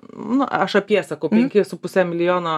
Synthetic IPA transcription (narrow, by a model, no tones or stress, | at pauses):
nʊʔɐʃɐpʲjiɛsɐkɐʊpʲɛŋʲkʲɪsʊpʊsʲɛːmʲɪlʲɪjoːno